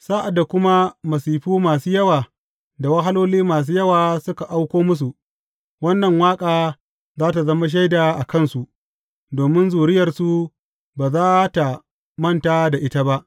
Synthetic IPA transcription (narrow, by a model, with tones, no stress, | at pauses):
saː˦ʔa˨dːa˨kʷʊ˦ma˦mɐ˨siː˨ɸuː˦maː˨suː˦jɐ˦waː˨ | da˨wɐ˦ɦa˦loː˦liː˦maː˨s̬uː˦jɐ˦waː˨sʊ˦ka˨ʔa˦wkʷoː˦mʊ˦s̬u˨ʔ | wɐ˦nːɐ˨ŋwaː˦kʼaː˨ | zaː˦ta˨zɐ˦ma˦ʃ̬a˦jdaː˨ʔa˨kɐ˦˨nsu˨ʔ | doː˨mɪ˦nzuː˨ɽɪ˦jɐ˨rsu˦ | baː˨zaː˦ta˨ | mɐ˦˨ntaː˦da˨ʔɪ˦ta˦ba˦ʔ